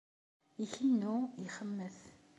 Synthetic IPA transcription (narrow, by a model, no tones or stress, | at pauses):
içənːuiχəmːəθ